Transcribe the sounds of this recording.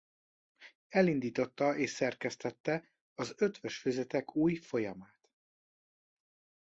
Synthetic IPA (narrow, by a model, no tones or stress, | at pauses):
ɛlind̪iːt̪o̞t̪ːɒʔeːʃsɛrkɛst̪ɛt̪ːɛ | ɒzøt̪ʋøʃføzɛt̪ɛkuːjfo̞jɒmaːt̪